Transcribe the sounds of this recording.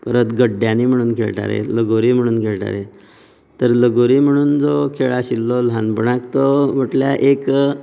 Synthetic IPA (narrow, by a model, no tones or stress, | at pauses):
pəɾət̪ɡəɖjaniːm̤əɽ̃uːnkʰḛɭʈa̰ɾḛləɡoɾiːm̤əɽ̃uːnkʰeɭʈa̰ɾe | t̪əɾləɡoɾiːm̤əɽ̃uːnd͡zɔkʰeɭaɕilːɔlanpəɳakt̪ɔm̤əʈljaʔek